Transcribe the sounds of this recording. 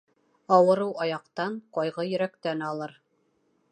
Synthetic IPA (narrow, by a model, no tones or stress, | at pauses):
ɑwɤ̆ɾɤwɑjɑqt̪ɑɴqɑjʁɤjɵ̆ɾækt̪ænɑlˠɤɾ